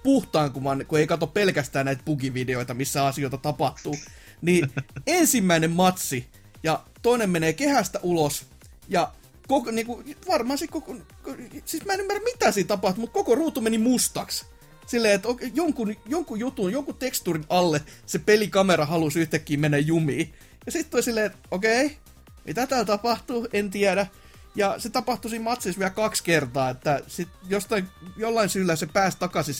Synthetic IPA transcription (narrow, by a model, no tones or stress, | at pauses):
puht̪ɑːŋkuʋɑnkueikɑt̪oppelkæst̪æːnæit̪̚pukiʋideoit̪ɑmisːæɑsioˑit̪ɑt̪ɑpɑht̪uː | niːensimːæinemmɑt̪si | jɑ | t̪oinemmeneːkehæst̪æʔulos | jɑ | kokniːkuʋɑrmɑːsikkok | ksiːsmæenymːæræmmit̪æːsiːnt̪ɑpɑht̪umut̪kokoruːt̪ːumenimust̪ɑks | silːeːet̪okjoŋkunjoŋkujut̪unjoŋkut̪ekst̪uːrinɑlːesepelikɑmerɑhɑlusyht̪ækːiːmenːæjjumiː | jɑsit̪t̪ulʲsilːeːet̪okei | mit̪æt̪æːlt̪ɑpɑht̪uent̪iæɾæ | jɑset̪ɑpɑht̪usiːmmɑt̪sisʋiælkɑkskert̪ɑːet̪ːæsit̪jost̪ɑijolːɑinsyːlːæsepæːst̪ɑkɑsis